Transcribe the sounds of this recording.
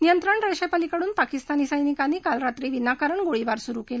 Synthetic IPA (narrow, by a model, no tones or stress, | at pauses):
nijənt̪ɾaɳɾəʂəjpalikəɽuːnpakist̪aniːsəjnikanːiːkalɾat̪ɾiːʋinːakəɾəɳɡoɭiʋaɾsuɾuːkela